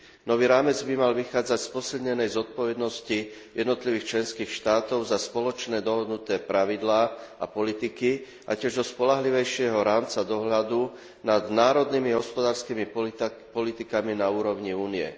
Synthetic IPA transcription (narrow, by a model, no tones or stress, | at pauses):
nɔʋiːɾaːmɛd͡zbimalʋixaːd͡zacspɔsiʎɲɛnɛjzɔt̪̚pɔʋɛd̪nɔsci | jɛd̪nɔt̪liʋiːxt͡ʃlɛnskiːxʃt̪aːt̪ɔʊzaspɔlɔt͡ʃnɛːd̪ɔɦɔd̪nut̪ɛːpɾaʋid̪laːa̰pɔlit̪iki | ʔacɪɛʒd̪ɔspɔlaɦliʋɛjʃɪɛɦɔɾaːmt͡sad̪ɔɦʎad̪u | nad̪naːɾɔd̪niːmiɦɔspɔd̪aːɾskiːmipɔlit̪ikaminauːɾɔʊɲiuːniɛ̰